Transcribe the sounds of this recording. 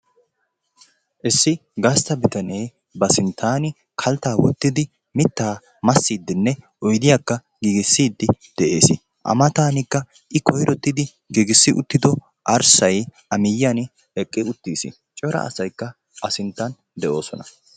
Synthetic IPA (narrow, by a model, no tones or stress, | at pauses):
ʔɪsːɪɡɐst̪ɐbɪt̪ɐneː | bɐsɪnt̪ʰːaːnɪ | kʰɐlt̪aːwɔt̪ːɪd̪ɪ | mɪt̪ːaː | mɐsːiːd̪ːɪnːɛʔɔjd̪ɪjaːkːɐ | ɡiːɡɪsːiːd̪ːɪd̪̥ɛʔḛːsɪ | ʔɐ̰mɐt̪aːnɪkːɐ | ʔɪkʰɔjɾʔɔt̪ːɪd̪ɪ | ɡiːɡɪsːɪʔʊ̰t̪ːɪd̪ɔ | ʔɐɾsɐjʔɐmɪjːɐn | ɛkʼːɪʊt̪ːiːsɪ̰ | t͡ʃʼɔɾɐ̰ʔɐ̰sɐjkːɐ | ʔɐsɪnt̪ːɐn | d̪ɛʔo̞ːsɔnɐ